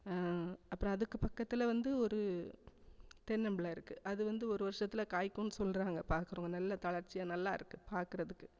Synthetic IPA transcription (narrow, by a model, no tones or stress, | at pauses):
ɐpːɐɾõɐðɯkːɯpɐkːɐt̪ːɪlɐʋɐnd̪ɯɔɾɯ | t̪ɛnːɐmbɪlaːɪɾɯkːɯʔɐðɯʋɐnd̪ɯɔɾɯʋɐɾɯʂɐt̪ːɪlɐkaːjkːũnːɯsɔlːɾaːŋɡɐpaːɾkɯɾuːŋɡɐnɐlːɐt̪ɐɭɐɾt͡ʃːɪjɐnɐlːaːɪɾɯkːɯpaːɾkɯɾɐðɯkːɯ